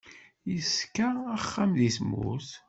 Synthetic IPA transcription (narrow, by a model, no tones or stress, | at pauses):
jəskːaæχːamlismṵs